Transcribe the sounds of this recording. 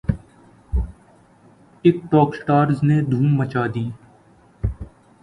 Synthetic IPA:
ɪk̚ʈɔːksʈaːɾzned̪ʱuːmːət͡ʃaːd̪iː

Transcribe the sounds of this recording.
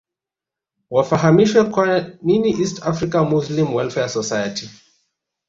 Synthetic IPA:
wafaɦamiʃwɛkwaniniʔistafɾikamuslimwɛlfɛasɔsajati

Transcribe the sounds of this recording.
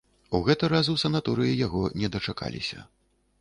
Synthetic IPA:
uɣɛt̪ɐɾazɨwsɐnat̪uɾɨjijaɣɔnʲɛd̪ɐt͡ʂaka̰lʲḭsʲɐ̰

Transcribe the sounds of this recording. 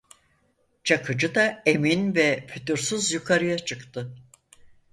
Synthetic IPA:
t͡ʃʰakʰɯd͡ʒɯd̪ae̞minvɛpʰyt̪ʰyɾsyzjukʰaɾɯjat͡ʃʰɯkt̪ʰɯ

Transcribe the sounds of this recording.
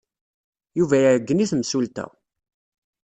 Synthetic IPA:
juvæjəɾəɡːəniθəmsult̪æ̰

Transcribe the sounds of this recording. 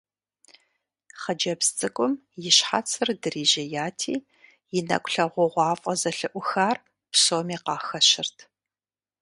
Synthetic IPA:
χɐd͡ʒɐpst͡sʼɨkʷʼʊm | jɪɕħa̰t͡sʰɨrdɨriːʑɐjaːtʰiː | jɪnɐ̰kʷʼɬɐʁʷɔʁʷɑːfʼɐzɐɬɨʔʷʊxaːr | psoːmiːqɑːxɐɕɪrtʰ

